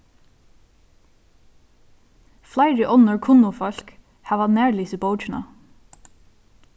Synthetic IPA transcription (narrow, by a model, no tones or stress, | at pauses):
flæɪɹəʔɔnəɹkʰʊnʊfɔlk | hɑːʋɑneːɹliːsəboʊt͡ʃɳɑ̰